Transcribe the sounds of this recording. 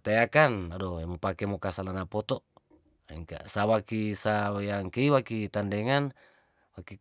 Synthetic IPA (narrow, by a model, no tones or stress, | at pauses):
t̪eakanadomopakemokasalanapɔt̪ɔ | ɛŋka̰sawakisajaŋkeiwakit̪andeŋan | waki